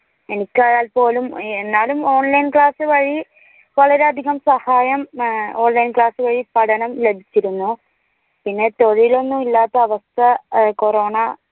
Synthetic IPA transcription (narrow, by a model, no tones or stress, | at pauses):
e̞nikʲːaːjaːlpo̞ːlumenːaːlumo̞ːɳlɐjnkɭaːsɨʋɐɻi | ʋɐɭɐɾeɐd̪ʱiɣɐmsɐhaːjɐmoːnlɐjnkɭaːsɨʋɐɻipɐɽɐnɐmlebʱit͡ɕːiɾunːu | pinːe̞t̪o̞ɻijilo̞nːumilːaːt̪ːɐːʋɐst̪ʰɐko̞roːɳɐ